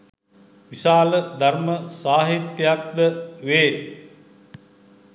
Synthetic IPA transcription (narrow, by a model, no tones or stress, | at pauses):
ʋiʃaːləd̪arməsaːɦit̪ːjak̚d̪əʋeː